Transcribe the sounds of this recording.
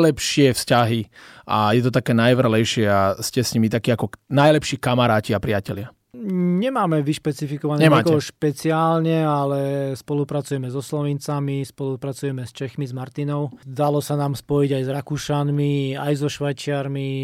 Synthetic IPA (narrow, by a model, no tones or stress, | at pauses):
lɛpʃɪɛfscaɦiʔa̰jɛt̪ɔt̪akɛːnajʋr̩ɦlɛjʃɪɛascɛsɲimit̪akiːakɔnajlɛpʃiːkamaɾaːciapɾɪacɛlɪa | ɲɛmaːmɛʋiʃpɛt͡sifikɔʋanɲɛmaːkɔɦɛɔʃpɛt͡siaːlɲɛalɛspɔlupɾat͡sujɛmɛzɔslɔʋint͡samispɔlupɾat͡sujɛmɛst͡ʃɛxmizmaɾt̪inɔʊd̪alɔsanaːmspɔjiɟajzɾakuʃanmiajzɔʃʋajt͡ʃɪaɾmi